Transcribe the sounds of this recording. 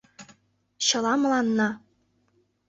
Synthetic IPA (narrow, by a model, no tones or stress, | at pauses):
ɕɤ̆lɑmɤ̆lˠɑnːɑ